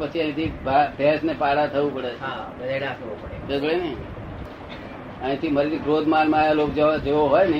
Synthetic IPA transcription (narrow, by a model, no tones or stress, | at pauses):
pət͡ʃʰiə̃ĩt̪ʰibabʱɛsnepaɽat̪ʰəʋũpəɽet͡ʃʰ | ɽasʰəʋopəɽekeɡ̪ɭenəɦĩ | ə̃ĩt̪ʰiməɾit̪iɡɾod̪ʱmanmãjalokd͡ʒd͡ʒeʋoɦɔjnəĩ